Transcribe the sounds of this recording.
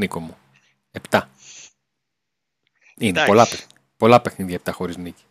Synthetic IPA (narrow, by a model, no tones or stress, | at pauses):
nikomu | ept̪ɐ | inepo̞lɐ | po̞lɐpe̞xniðʝɐep̚t̪ɐxo̞ɾiznici̥